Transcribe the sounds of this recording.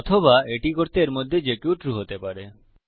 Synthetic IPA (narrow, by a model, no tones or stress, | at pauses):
ɔt̪ʰobaeʈikoɾt̪eɾmod̪ʱːed͡ʑekjuʈɾuɦot̪epaɾe